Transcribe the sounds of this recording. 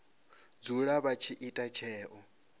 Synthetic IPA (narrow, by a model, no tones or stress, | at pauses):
d͡zuɺaβat͡ʃʰiʔitʼat͡ʃʰɛːʔɔ